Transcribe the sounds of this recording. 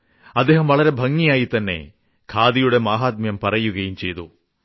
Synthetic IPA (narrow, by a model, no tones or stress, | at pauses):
ɐd̪eːɦɐmʋɐɭɐɾebʱɐŋːijaːjit̪ɐnːḛ | kʰaːd̪ijuɽemaːɦaːt̪̚mjɐmpɐɾɐjuɣɐjumt͡ʃejd̪ṵ